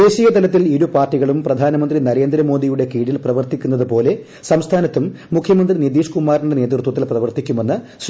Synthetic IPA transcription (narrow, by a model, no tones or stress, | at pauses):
eːɕijɐt̪ɐlɐt̪ːiliɾupaːrʈːiɣɐɭumprɐd̪ʱaːnɐmɐnd̪rinɐɾe̞ːnd̪ɾɐmo̞ːd̪ijuɽe̞kiːɽilprɐʋɐrt̪ikʲːunːɐðɨpo̞ːle̞ | sɐmst̪ʰaːnɐt̪ːumːukʰjɐmɐnd̪rinid̪iːʂkumaːɾinɽene̞ːt̪rt̪wɐt̪ːilprɐʋɐrt̪ikʲːume̞nːɨs